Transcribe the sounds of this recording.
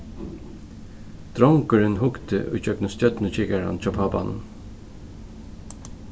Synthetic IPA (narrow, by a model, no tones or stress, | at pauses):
d̪̥ɾɔŋkʏɹɪnɦʊkt̪ə̰ʔʊ̰jt͡ʃœknʊst̪jœt̪nət͡ʃɪkaɹa̰nt͡ʃʰɔːpʰaːpa̰n̰n